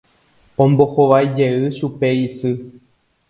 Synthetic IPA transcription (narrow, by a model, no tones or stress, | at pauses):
õmbo̞hoʋajd͡ʒe̞ɨʃupeisɨ